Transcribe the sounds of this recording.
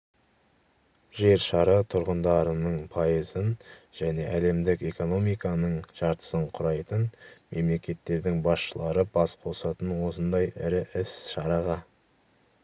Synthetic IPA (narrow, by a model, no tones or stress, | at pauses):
ʒ̥e̞ɾʃɑɾɑt̪ʰʊɾʁənd̪ɑɾənəɴpʰɑjəzənʒ̥æne̞ʔæle̞md̪ɪke̞ko̞no̞mijkɑnəɴʒ̥ɑɾt̪ə̥səɴqʰʊɾɑjt̪ənme̞mle̞kʲe̞t̪ːe̞ɾd̪ɪŋbɑsʃəlˠɑɾəbɑsqʰo̞sɑt̪ənwo̞sənd̪ɑjɪɾɪʔɪsʃɑɾɑʁɑ